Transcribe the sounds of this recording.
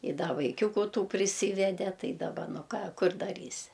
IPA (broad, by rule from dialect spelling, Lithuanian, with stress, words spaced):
ɪ ˈdɐ ʋɐɪˈkʲuːkʊ ˈtuː pʲrʲɪˈsʲiːʋʲɛdʲɛ ˈtɐɪ dɐˈbɐ ˈnʊ ˈkɑː ˈkʊr dɐˈrʲiːsʲɪ